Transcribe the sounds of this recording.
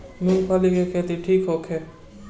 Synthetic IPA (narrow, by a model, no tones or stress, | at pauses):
milpʰalikekʰeːt̪iʈʰiːkɦoːkʰeː